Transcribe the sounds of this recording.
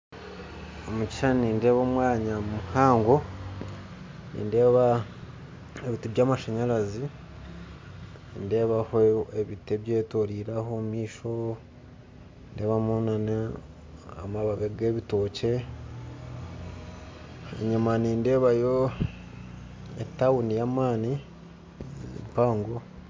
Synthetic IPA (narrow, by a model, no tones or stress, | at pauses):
omucʃaniːnde̞ːβomwaːɲamumuhaːŋɡo | nḭːnde̞ːβa | eβitiβjaːmaʃaɲaɾazi | nde̞ːβahoeβiteβjeːtoɾiɾahomiːʃo | nde̞ːβamonana | a̰maβaβeɡeːβitoce | ḛɲimaniːnde̞ːβajo | etawunijaːmaːni | mpaːŋɡo